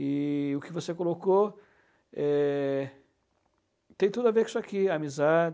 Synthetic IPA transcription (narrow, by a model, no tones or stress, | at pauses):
ɪʊkɪvosekoloko | ɛ | t̪ẽj̃t̪ud̪ʊavekɪ̥sɔakiamizad͡ʒ